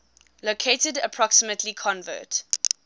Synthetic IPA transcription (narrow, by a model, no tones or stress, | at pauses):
lokʰetədəpʰɹ̥ɔksəmətʰlikʰɔ̃nvɜ̰ːˑt